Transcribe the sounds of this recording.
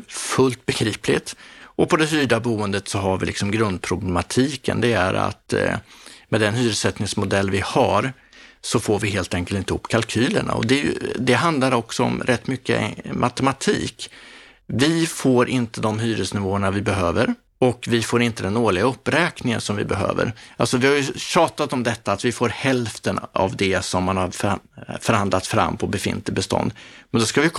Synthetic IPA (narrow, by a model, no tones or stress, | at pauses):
fɵlt̪̚bɛɡɾiːplɪt̪ʔɔpʰɔd̪ɛɦyːɖabuːənd̪ət̪sɔɦaɾvɪ̰lɪ̰ksɔmɡɾɵnd̪̚pʰɾʊblɛmat̪ʰiːkə̰nd̪ɛæ̰ɾa̰t̪ | mɛd̪ɛnhyːɾəsɛt̪nɪŋsmʊd̪ɛlːvɪhaɾ | sɔfoːɾvɪɦeːlt̪ɛŋkəlt̪ɪnt̪əɵ̰pːkʰalkʰyːlə̰ɳa̰ɔ̰d̪ɛj̰d̪ɛɦand̪laɾɔksɔɔ̰mɾʔɛt̪ːmʏkːə̰mʔat̪ɛmat̪ʰḭːk | vɪfoːɾʔɪnt̪əd̪ɔmɦyːɾəsnɪvoːəɳavɪbɛɦøːvəɾ | ɔkvɪfoːɾɪnt̪əd̪ɛnoːɭɪɡaɵpːɾɛːknɪŋə̰nsɔmvɪ̰bɛɦø̰ːvə̰ɾalsɔvɪhaɾjɵɕɑːt̪at̪ɔmd̪ɛt̪ːaːt̪vɪfoːɾhɛlft̪əna̰vd̪ɛsɔmːanhaɾffœɾhand̪lat̪fɾa̰mːpʰɔbɛfɪ̰nt̪lɪbɛst̪ʰɔ̰nd̪mɛnd̪ɔskavɪ